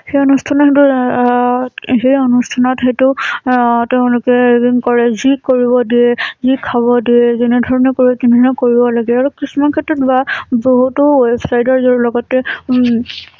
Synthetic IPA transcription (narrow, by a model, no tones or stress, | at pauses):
xejonustʰanɔxetu | xejonustʰanɔtxetʊ | tɛʊ̃lʊkɛŋkɔɹɛzikoɹibɔdiɛzikʰabɔdiɛzenɛdʱɔɹɔnɛkoɹibɔtinɔnɔkoɹibɔlaɡɛaɹukɹismakʰetɹɔtbaboɦutʊwepʰsajdɔɹzɔɹlɔɡɔtːɛ